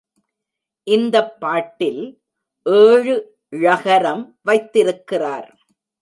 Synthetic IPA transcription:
ʔɪnd̪ɐpːaːʈːɪl | ʔeːɻɯ | ɪɻɐɣɐɾɐmʋɐɪt̪ːɪɾɯkːɪraːɾ

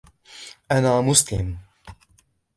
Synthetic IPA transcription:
ʔanaːmʊslɪ̰m

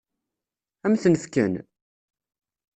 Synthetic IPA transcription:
æmθənəfkə̰n

